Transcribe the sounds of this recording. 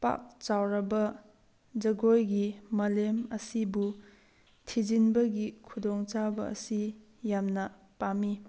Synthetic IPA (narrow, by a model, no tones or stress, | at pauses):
pa̰k̚t͡ʃawɾɐbɐ | d͡ʒɐɡojɡimɐlemɐsibu | tʰid͡ʒinbɐɡikʰudɔŋt͡ʃabɐ̰ːsi | jamnɐ | pami